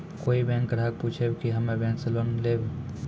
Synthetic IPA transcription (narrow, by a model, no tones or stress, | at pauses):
koːibɛ̃ːŋkːəɾaːk̚puːt͡ʃʰebkiɦɐmẽbɛ̃ːnseloːnleːb